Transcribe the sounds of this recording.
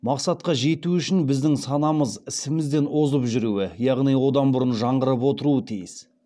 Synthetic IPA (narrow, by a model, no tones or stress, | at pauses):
mɑqsɑt̪̚qɑʒe̞t̪uʏʃɪnbɪzd̪ɪŋsɑnɑməzɪsɪmɪzd̪e̞nʔo̞zəpʒʏɾuwɪjɑʁnijwo̞d̪ɑnbʊɾənʒɑɴʁəɾəpwo̞t̪əɾuət̪ʰijɪs